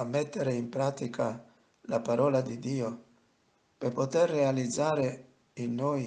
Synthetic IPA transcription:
amːɛt̪ːeɾeimpɾaːt̪ikʰa | lapaɾɔːlad̪id̪iːo | perpot̪erːealid̪zaːɾe | inːoːj

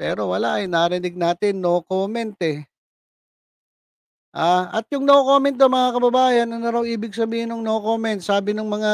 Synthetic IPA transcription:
pɛːɾo̞wɐlaʔɐjnaːɾɪnɪɡ̚naːt̪ɪnːookoːmɛnt̪ɛ | ʔaːɐt̪̚jʊŋnɐʔokoːmɛnt̪d̪omɐŋakɐbɐbaːjɐnʔɐnɐɾɐwʔiːbɪɡ̚sɐbiːhɪnʊŋnɐoko̞ːmɛnt̪̚saːbɪnʊŋmɐŋa

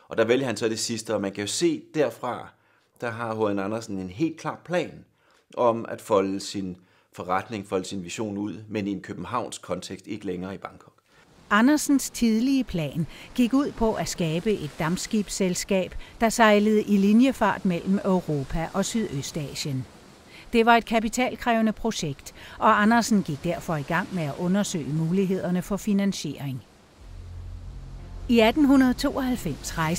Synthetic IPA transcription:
ʔɒ̽d̥ɑ̈ʋeldəhænsɒd̥e̝sisd̥əɒ̽mænkʰæjo̝se̝̰ːd̥æɐfʁɑ̈ | d̥ɑ̈ɦɑ̈ɦoðænɑnɐsn̩e̝nɦe̝̰ːld̥̚kʰl̥ɑ̈ːpʰlɛ̰ːn | ʔɒ̽mæd̥fɒ̽ləsin | fɒʁad̥ne̝ŋfɒ̽ləsinʋiɕo̝̰ːnuð̞̰ˠmenienkʰøb̥m̩ɦɑ̈ʊ̰nskʰɒ̽nt͡sʰeɡ̥sd̥e̝ɡ̥əleŋɐːib̥ɑ̈ŋkʰɒ̽ɡ̥ | ɑ̈nɐsn̩st͡sʰið̞ˠliəpʰlɛ̰ːnɡ̥iɡ̥uð̰ˠpʰɒ̽ʔæsɡ̥ɛːb̥əʔe̝d̥ːɑ̈msɡ̥ib̥selsɡ̥ɛ̰ːb̥d̥ɑ̈sɑ̈ɪləð̞̩ˠəʔilinjəfɑ̰̈ːd̥mel̰m̩øʊʁo̝ːpʰæʔɒ̽syð̞ˠøsd̥ɛ̰ːɕən | d̥e̝ʋɑ̈e̝d̥̚kʰæpit͡sʰɛ̰ːlkʰʁɛːʊnəpʰʁo̝ɕeɡ̥d̥ʔɒ̽ɑnɐsn̩ɡ̥iɡ̥̚d̥æɐ̰fɒ̽iɡ̥ɑ̈ŋ̰meæʔɔ̽nɐsø̰ɪəmuːliɦe̝ð̞̰ˠɐnəfɒ̽finænɕe̝ːɐeŋ | iæd̥n̩ɦunɐð̞̩ˠt͡sʰo̝̰ːɒ̽hælfem̰sʁɑ̈ɪs

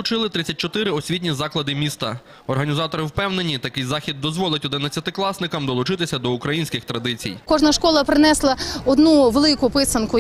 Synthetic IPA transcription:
ʊt͡ʃɪlˠɪt̪ɾɪt͡sʲːɐtʲt͡ʃɔt̪ɪɾɪɔsʲʋʲitʲnʲizɑklˠɐd̪ɪmʲist̪ɐ | ɔrɦɐnʲizɑt̪ɔɾɪwpɛwne̞nʲit̪ɐkɪjzɑxʲid̪̚ːɔzʋɔlˠɐtʲɔd̪ɪnɐt͡sʲːɐt̪ɪklˠɑsnɪkɐmd̪ɔlˠʊt͡ʃɪt̪ɪsʲɐd̪ɔʊkɾɐjinʲsʲkɪxt̪ɾɐd̪ɪt͡sʲḭjkɔʒnɐʃkɔlˠɐpɾɪnɛslˠɐɔd̪nuʋelˠɪkʊpɪsɐnkʊ

